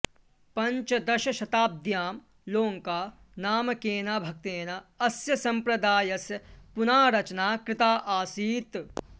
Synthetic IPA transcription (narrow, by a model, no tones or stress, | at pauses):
pɐɲt͡ʃɐd̪ɐʃɐʃɐt̪aːb̚d̪ʱjaːm | loːŋkaː | naːmɐkeːnaːbʱɐk̚t̪eːnaɐsjɐsɐ̃mpɾɐd̪aːjɐsjɐpunaːɾɐt͡ʃnaːkɾɪt̪aːʔaːsiːt̪